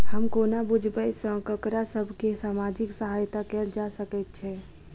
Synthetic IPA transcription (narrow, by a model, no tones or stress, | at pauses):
həmkoːnabʊd͡ʒʱbəjsə̃kəkɾasəbʱkesaːmaːd͡ʒɪksəɦajt̪akɛd͡ʒasəkɛt̪̚t͡ʃʰɛ